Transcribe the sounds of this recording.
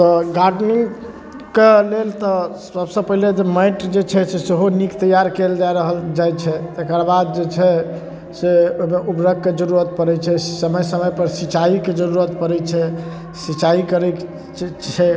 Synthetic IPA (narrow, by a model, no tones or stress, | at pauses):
t̪ɔɡaɾɖniŋɡ | kelelt̪ɔ | səbsə̃pəɦiled͡ʒemaɪʈd͡ʒet͡ʃʰɛseseɦonikt̪əjaɾkeld͡ʒaɾəɦəld͡ʒajt͡ʃʰɛt̪ekəɾbad̪̚d͡ʒet͡ʃʰɛ | seojmeʔupɾək̚ked͡ʒəɾuɾət̪̚pəɾɛt͡ʃʰɛsəməjsəməjpəɾsit͡ʃaiked͡ʒəɾuɾət̪pəɾɛt͡ʃʰɛ | sit͡ʃaikəɾɛ | t͡ʃʰɛ